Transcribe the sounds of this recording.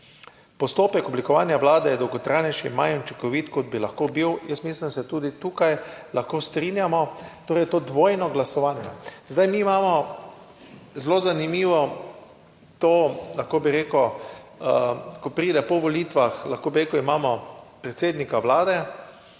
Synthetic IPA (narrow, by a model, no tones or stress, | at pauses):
pɔst̪oːpɛkɔblikɔʋaːnjaʋlaːd̪ɛjɛd̪ɔwɡɔt̪ɾajnɛʃḭmajunt͡ʃikɔʋit̪kɔd̪bilaxkobiwjəst̪miːslimd̪sɛt̪uːd̪it̪uːkajlaxkoːst̪ɾiːnjamɔt̪oːɾɛjt̪oːd̪ʋoːjnɔɡlasɔʋaːnjazd̪ajmiːmaːmɔ | zlozanimiːʋɔ | t̪oːlaxkobiɾeːkʊ | kɔpɾiːd̪ɛpɔʋɔliːt̪ʋaxlaxkoːbiɾeːkʊwimaːmɔpɾɛt̪seːd̪nikaʋlaːd̪ɛ